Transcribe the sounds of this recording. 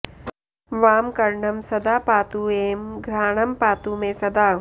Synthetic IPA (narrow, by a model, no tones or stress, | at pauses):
ʋaːmkɐɾɳɐmsɐd̪aːpaːt̪ueːmɡɾaːɳɐmpaːt̪uːmẽsɐd̪aː